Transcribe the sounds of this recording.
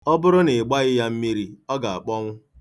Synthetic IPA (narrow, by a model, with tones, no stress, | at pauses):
ɔ˦bʊ˦ɾʊ˦nɪ˨ɡ͡ba˦ɣɪ˦ja˦m̩˦mi˦ɾi˦ɔ˦ɡa˨a̰˨k͡pɔ˦ŋʷʊ˦